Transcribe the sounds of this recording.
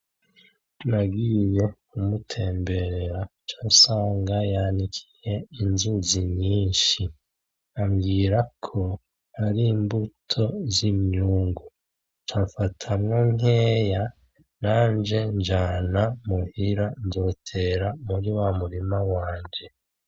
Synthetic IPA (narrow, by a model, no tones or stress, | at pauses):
naɡiːje̞ | umutʰe̞ːmbe̞ɾeɾat͡ʃasaːŋɡajanikʰi̥je̞inzuziɲiːnʃi | amɡiːɾakʰo̞ | haɾimbutʰo̞zimɲuːŋɡu | t͡ʃafatʰamŋoŋe̞ːja | naːɲd͡ʒe̞ɲd͡ʒaːnamuhiɾanzo̞tʰe̞ɾamuɾiwamuɾimawaːɲɟe̞